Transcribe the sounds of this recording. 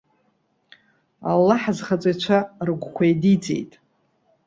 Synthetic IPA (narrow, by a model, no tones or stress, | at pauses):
a̰lːaħazχat͡sʷʼajt͡ʃʷʰarɡʷkʷʰajdit͡sʼḛjtʼ